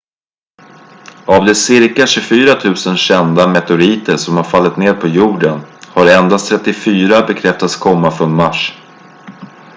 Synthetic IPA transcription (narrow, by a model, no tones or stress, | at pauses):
avd̪ɛsɪɾkaɕɵfyːɾat̪ʰʉ̟ːsənɕɛnd̪amɛt̪ʊɾiːt̪əɾsɔmhaɾfalːɪt̪neːɾpʰɔjuːɖənhaɾɛnd̪ast̪ʰɾɛt̪ːɪfyːɾabɛkʰɾɛft̪at̪skʰɔmːafɔɳmaʂ